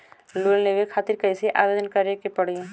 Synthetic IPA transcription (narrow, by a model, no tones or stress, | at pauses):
lolleɡekʰaːt̪ɪɾkɐiseʔaːbed̪ənkɐɾekepɐɽi